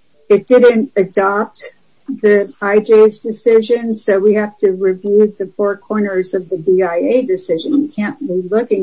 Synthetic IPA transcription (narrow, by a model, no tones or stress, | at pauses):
ɨt̚d̥ɪdⁿn̩tɨdɑp̚t̚ | ðiaɪd͡ʒeɪzdɨsɪʒɨ̃nsoʊwihæftʰɨɹivjʉðɨfɔɹkʰɔɹnə˞zʌvðɨbiaɪeɪdɨsɪʒɨ̃nwikʰæ̃nbilʊkɪ̃ŋ